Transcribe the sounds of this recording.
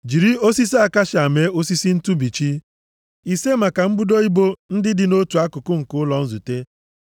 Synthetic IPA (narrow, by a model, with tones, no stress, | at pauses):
d͡ʒi˨ɾi˦o˦si˦si˦a˦˨ka˦ʃa˨me˨˦o˦si˦si˦n̩˦tu˦bi˨t͡ʃi˦ | i˨se˦ma˨ka˨m̩˦bu˦do˦i˦bo˦n̩˦dɪ˦dɪ˨no˦tu˨a˦kʊ˨kʊ˦ŋ̩˨kʊ˦lɔ˨n̩˦zu˨te˦